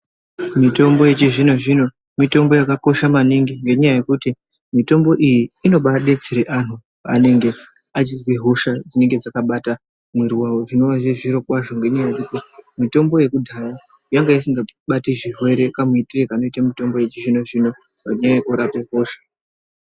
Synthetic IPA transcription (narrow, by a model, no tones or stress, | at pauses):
mito̞mbo̞je̞t͡ʃiʐino̞ʐino̞ | mito̞mbo̞jakako̞ʃamaniŋɡiŋɡe̞ɲajaje̞kuti | mito̞mbo̞ʔijiːno̞ɓaɗe̞t͡seɾeʔan̤u | ane̞ŋɡe̞ | at͡ʃizweɦo̞ʃad͡zine̞ŋɡe̞d͡zakaɓata | mweɾiwawoʐino̞waʐeʐiɾo̞kwaʐo̞ŋɡe̞ɲajaje̞kutimito̞mbo̞je̞kudʱaja | jaŋɡajisiŋɡaɓatiʐiɦwe̞ɾe̞kamitirekaːno̞itamito̞mbo̞je̞t͡ʃiʐino̞ʐino̞ | paɲaeʔoɾape̞ɦo̞ːʃḁ